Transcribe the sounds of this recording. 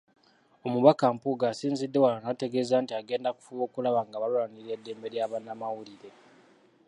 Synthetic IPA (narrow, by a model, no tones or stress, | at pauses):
o̞muβakampuɡaːsiːnzidːe̞walanate̞ɡe̞zaːntiaɡe̞ːndaku̥fuβo̞ːkulaβaŋɡaβalulaniɾe̞dːe̞ːmbe̞ɾjaːβanːamawuliɾe̞